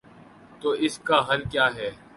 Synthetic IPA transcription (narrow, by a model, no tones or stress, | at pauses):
t̪oːɪskaɦɐlkjaːɦɛː